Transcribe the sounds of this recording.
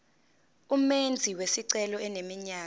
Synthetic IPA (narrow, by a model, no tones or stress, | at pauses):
umend͡zʱiwesiǀɛlɔɛnemiɲaː